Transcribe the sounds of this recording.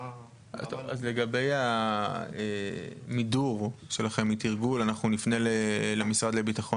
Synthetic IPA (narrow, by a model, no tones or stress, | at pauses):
a̰oa̰zle̞ɡabe̞ja | emiduʁʃe̞laχe̞mit̪iʁɡulanaχnunifne̞lelemisʁad̪lebitaχon